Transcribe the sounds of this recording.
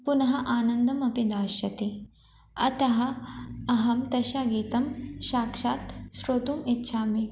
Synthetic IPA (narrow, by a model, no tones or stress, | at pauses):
punɐɦɐʔaːnɐnd̪ʱɐmɐpid̪aːʃjɐt̪i | ɐ̰t̪ɐɦɐ̆ɐɦɐmt̪ɐʃaːɡiːt̪ɐmʃaːkʂaːt̪ʃɾoːt̪umitːʃʰaːmi